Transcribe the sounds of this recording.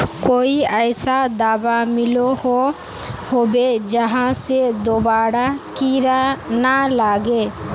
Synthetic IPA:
koiajsad̪abamilɔhɔ | hɔbɛd͡ʒaɦãsɛd̪ɔbaɽakiɾanalaɡɛ

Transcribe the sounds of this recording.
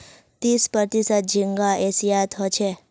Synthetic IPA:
t̪ispəɾt̪isət̪̚d͡ʒiŋɡaʔɛsijat̪ʰɦɔt͡ʃʰe

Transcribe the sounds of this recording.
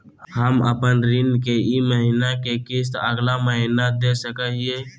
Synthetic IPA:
həmə̰pənɾɪnkeiməɦiːnakekɪst̪əɡlaməɦinad̪esəkəɦie

